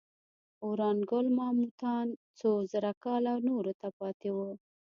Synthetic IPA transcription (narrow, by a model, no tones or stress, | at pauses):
oɾɑnɡʊlmɑmut̪ɑnt͡sozəɾakɑlawnoɾot̪apɑt̪ewə